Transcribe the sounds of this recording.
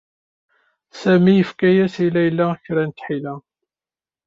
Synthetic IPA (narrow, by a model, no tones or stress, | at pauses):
sæmijəfkæjæsilːæjəlːæçɾænt̪ħilæ